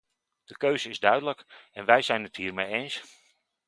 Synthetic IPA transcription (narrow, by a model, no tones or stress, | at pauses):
d̥əkøːzəɪzdœɥdələkɛnʋɛjzɛjnəthiːrmejeːns